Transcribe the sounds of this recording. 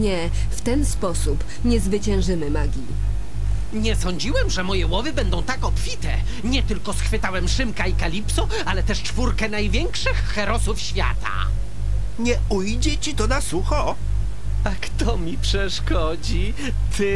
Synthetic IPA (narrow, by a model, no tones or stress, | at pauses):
ɲɛ | ft̪ɛnspɔsup | ɲɛzvɘt͡ɕɛ̃w̃ʐɘmɘmaɡʲi | ɲɛsɔɲd͡ʑiwɛmʐɛmɔjɛwɔvɘbɛnd̪ɔ̃w̃t̪akɔpfʲit̪ɛ̰ | ɲɛt̪ɘlkɔsxfɘt̪awɛmʂɘmkaikalʲipsɔ | alɛt̪ɛʂt͡ʂfuɾkɛnajvʲjɛŋkʂɘxːɛɾɔsufɕfʲja̰t̪a̰ | ɲɛ | ujd͡ʑɛt͡ɕit̪ɔnasuxɔ | akt̪ɔmʲipʂɛʂkɔd͡ʑi | t̪ʰɪ